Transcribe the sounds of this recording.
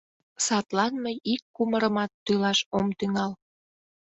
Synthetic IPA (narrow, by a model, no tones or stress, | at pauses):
sɑt̪lɑnməjikːuməɾəmɑt̪ːylɑʃomt̪yŋɑl